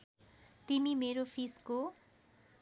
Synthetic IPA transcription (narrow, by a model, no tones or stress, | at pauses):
t̪imimeɾopʰisko